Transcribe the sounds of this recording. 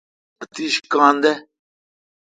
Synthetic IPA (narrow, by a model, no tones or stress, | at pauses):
ɐt̪iʃkãːnd̪ɛ